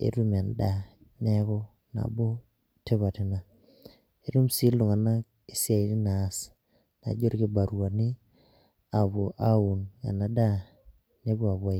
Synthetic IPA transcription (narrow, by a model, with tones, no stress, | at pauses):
ḛ˨ɾu˦ma˨nda˦ | nɛ˦kɔ˦ | na̰˨bo˦ | te˦βa˨tɪ˨na˨ | e˦ɾu˦msi˦lo˨ŋa˨na˦k | i˨˦si˦a˨i˨˦ti˦naː˨˦s | na̰˨d͡ʒo˦ɾki˦ba˨ɾwa˨ni˦ | a˨βo˨ʔa˦u˨na̰˨na˨da˦ | ne˦bu˦a˨βa˦i˨